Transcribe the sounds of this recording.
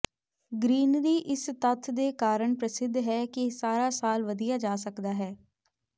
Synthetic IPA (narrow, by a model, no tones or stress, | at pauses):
ɡɾiːnɾiːʔɪst̪ət̪ʰd̪eːkaːɾəɳpɾəsɪd̪ʱːɦɛːkɪsaːɾaːsaːlʋəd̪ijaːd͡ʒaːsəkd̪aːɦɛː